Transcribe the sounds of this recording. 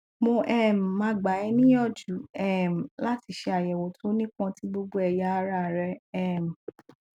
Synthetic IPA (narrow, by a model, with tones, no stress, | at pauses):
mo˧ʔɛ˦˨m̩˨mã˧˦ɡ͡ba˨˦ɛ˧nĩ˦jɔ˦˨d͡ʒu˨˦ɛ˦˨m̩˨la˦ti˧ʃe˧a˨jɛ˨wo˨tʰo˨˦nĩ˦kã˧ti˦ɡ͡bo˧ɡ͡bo˧˦ɛ˧ja˧˦a˧˦ɾa˦˨ɾɛ˧ɛ˦˨m̩˨